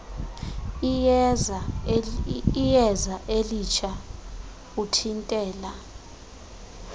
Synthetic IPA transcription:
iza | ijɛzaʔelit͡ʃʰa | utʰintʼɛːla

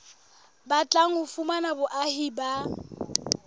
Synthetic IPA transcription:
bat͡ɬʼaŋ̩hʊfumanabʊʔahiba

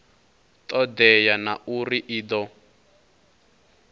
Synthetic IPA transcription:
t̪ʼɔd̪ɛjanaʔuriʔiːd̪ɔ

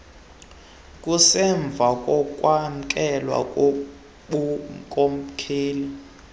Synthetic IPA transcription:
kʼusɛɱb̪vʱakʼɔkʼwam̩kʼɛlwa̰kʼ | ukʼomkʰeːli

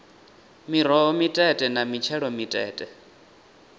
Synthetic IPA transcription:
miɾ̤ɔɔmitʼɛtʼɛnamit͡ʃʰɛɺɔmitʼɛ̰ːtʼɛ

